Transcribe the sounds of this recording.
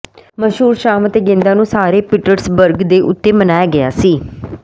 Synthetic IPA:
məʃɦuːɾʃaːmət̪eːɡɪ̃nd̪ãːnũːsaːɾeːpɪʈəɾsbəɾɡd̪eːʔʊt̪ːeːmənaːjaːɡɪja̰ːsiː

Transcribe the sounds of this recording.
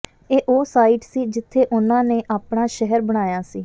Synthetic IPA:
eːʔoːsaːiːʈsiːd͡ʒɪt̪ʰːeːʔʊnãːneːʔaːpɽaːʃɛɦəɾbəɽ̃aːjaːsiː

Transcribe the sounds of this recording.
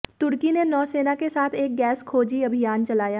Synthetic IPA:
t̪ʊɾkinenɔːseːnakesaːt̪ʰeːk̚ɡɛːskʰoːd͡ʒiɐbʱɪjaːnt͡ʃɐlaːjaː

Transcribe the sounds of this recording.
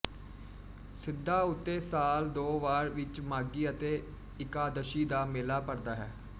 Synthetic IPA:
sɪd̪ːaːʊt̪ːeːsaːld̪oːʋaːɾʋɪt͡ʃmaːɡiːət̪eː | ɪkaːd̪əʃiːd̪aːmeːlaːpəɾd̪aːɦɛː

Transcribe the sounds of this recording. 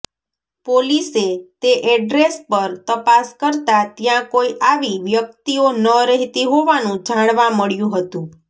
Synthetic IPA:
poliset̪eʔɛɖɾespəɾt̪əpaskəɾt̪at̪jãkoiʔaʋiʋjək̚t̪ionəɾəɦit̪iɦoʋanũd͡ʒʱãɽʋaməɭjũɦət̪ũ

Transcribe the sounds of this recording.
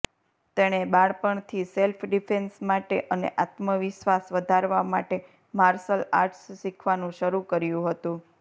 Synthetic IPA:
t̪eɽ̃ebaɭpəɳt̪ʰiselfʰɖifʰensmaʈeʔənḛʔat̪məʋɪʃʋasʋəd̪ʱaɾʋamaʈe | maɾsəla̰ɾʈsːikʰʋanũʃəɾukəɾjũɦət̪ũ

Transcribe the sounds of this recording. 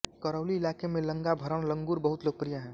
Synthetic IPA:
kəɾəʊliɪlaːkemẽləŋɡabʱəɾənlə̃ŋɡuːɾbəɦut̪loːɡ̚pɾijaɦɛ̃ː

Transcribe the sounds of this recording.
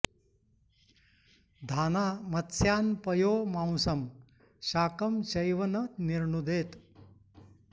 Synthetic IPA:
d̪ʱaːnaːmɐt̪sjaːnpɐjoːmãw̃sɐm | ɕaːkɐmt͡ʃɐjʋɐnɐt̪niɾɳud̪eːt̪

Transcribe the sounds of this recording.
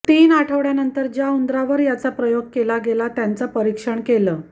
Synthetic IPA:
t̪iːnaʈʰəʋɽjanənt̪əɾd͡ʑjaund̪ɾaʋəɾjat͡sapɾəjoɡ̚kelaɡelat̪jant͡səpəɾikʂəɳkeləː

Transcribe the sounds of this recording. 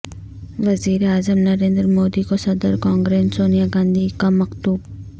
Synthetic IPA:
ʋɐziːɾeaːzəmnɐɾẽːnd̪ɾmoːd̪ikosɐd̪əɾkãːŋɡɾeːnsoːnijaɡãːnd̪ʱikamɐqt̪uːb

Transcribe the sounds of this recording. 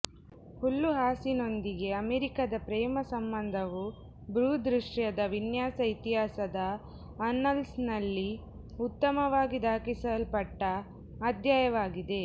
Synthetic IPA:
pulːuɦaːsino̞nd̪iɡe̞ɐmeɾikɐd̪ɐpɾɛːmɐsɐmbɐnd̪ʱɐʋu | bɾuːd̪ɾiʂʈjɐd̪ɐʋinjaːsɐit̪iɦaːsɐd̪ɐː | nːɐlsnɐlːi | ut̪ːɐmɐʋaːɡid̪aːkisɐlpɐʈːɐ | ad̪jaːjɐʋaːɡid̪e̞

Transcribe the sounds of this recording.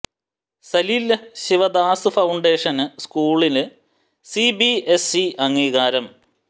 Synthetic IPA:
sɐlilɕiʋɐd̪aːsɨfɐwɳɖeːʂɐnɨskuːɭilɨ | sibiesiɐŋːiːɣaːɾɐm

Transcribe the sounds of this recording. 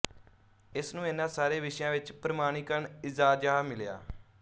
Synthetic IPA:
ɪsnũːɪnãːsaːɾeːʋɪʃjãːʋɪt͡ʃpɾəmaːɽ̃iːkəɾɳɪzaːd͡ʒaːmɪlja̰ː

